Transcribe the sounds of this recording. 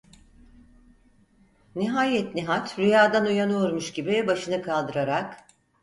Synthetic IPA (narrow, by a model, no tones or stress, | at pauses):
niɦaːjɛt̪niɦat̪ɾyjaːd̪anujanoɾmuʃɟibibaʃɯnɯkʰalˠd̪ɯɾaɾak